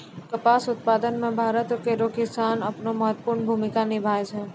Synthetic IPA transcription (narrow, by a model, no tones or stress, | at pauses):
kəpaːsʊt̪̚paːd̪ənmẽbʱaːɾət̪keɾokɪsaːnɐpnoməɦət̪ːpʊɾnbʱuːmɪkanɪbʱaːed͡ʒʰɛː